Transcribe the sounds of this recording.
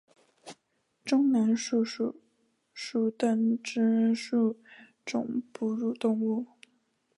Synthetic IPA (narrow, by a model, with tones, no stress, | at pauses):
ʈ͡ʂʊ˥ŋna˧˥nʂu˥˧ʂu˥˩ | ʂu˥˩t̪a˥˩nʈ͡ʂ̩˥ʂu˥˩ | ʈ͡ʂʊ̰˨˩ŋpu˧˥ɻu˨˩t̪ʊ˥˧ŋu˥˩